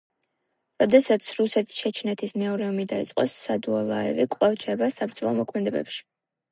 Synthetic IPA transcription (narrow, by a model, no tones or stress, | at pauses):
ɾɔd̪ɛsat̪sʰɾusɛt̪ʰi̥sʃɛt͡ʃʰnɛt̪ʰismɛɔɾɛɔmid̪ait̪sʼqʼɔsːad̪uɔlˠaɛ̰vikʼlˠavt͡ʃʰɛbasabɾd̪zlˠɔmɔkʰmɛd̪ɛbɛ̰pʃi̥